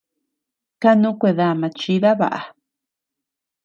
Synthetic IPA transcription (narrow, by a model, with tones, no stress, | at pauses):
ka˦nũ˦kʷe˧ða˧˨mã˨t͡ʃi˧˦ða˦βa̰˨ʔa˨